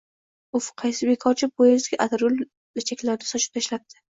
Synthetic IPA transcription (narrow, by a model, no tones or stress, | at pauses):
ʊfqʰɑjsɪbe̞kʰɒɾt͡ʃʰɪbojazɡʲaʔad̪aɾʊl | lɪt͡ʃʰakʲlaɾd̪asɒt͡ʃʰɪ̥p̚t̪ʰaʃlap̚t̪ʰɪ̥